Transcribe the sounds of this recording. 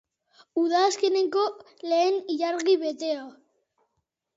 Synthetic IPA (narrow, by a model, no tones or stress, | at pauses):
uðaːske̞ne̞ŋko̞ | le̞ːniʎaɾɣiβe̞t̪e̞o